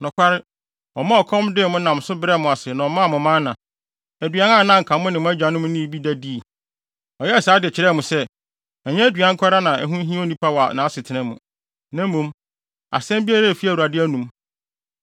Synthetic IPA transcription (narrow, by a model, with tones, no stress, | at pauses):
nʊ̃˨kʰʷa˦ɾɪ˦ | ɔ˨mã˦ɔ˨kʰɔ̃˦mdɪ˦˨mʊ̃˦nã˨m˨sʊ˦bɪ˦ɾɛ˦mʊ̃˨a˨sɪ˨nã˨ɔ˨mã˦˨mʊ̃˨mã˦nnã˨ | æ˨dɥa˦nã˦˨nã˦ŋ̩˨kʰã˨mʊ̃˦nɪ̃˨mʊ̃˦æ˦d͡ʑᶣã˨nʊ̃˦mʊ̃˦nĩ˦˨bi˦dæ˦di˦˨ | ɔ˨jɛ˦˨saː˨˦dɪ˨t͡ɕʰɪ˨ɾɛ˦˨mʊ̃˨sɛ˦ | ɛ˨ɲɛ̃˦æ˦dɥã˦ŋ̩˦kʷʰa˦ɾa˦nã˨ʔɛ̰˨ɦũ˦ɦĩ˦o˦nĩ˦pʰa˦wa˨nã˨a˦sɪ˨tʰɪ˨nɪ̃˦mʊ̰̃˨ | nã˦m˦mũ˦m | a̰˨sɛ̃˦mbi˦a˦ɾa˦˨fi˦æ˨u˨ɾa˨dɪ˦æ˦nũ˨˦m